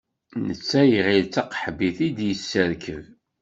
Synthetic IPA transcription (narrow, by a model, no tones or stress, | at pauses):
nət͡sːæjʁilt͡sːɑqħəbiθid̪jəsːəɾkʰəv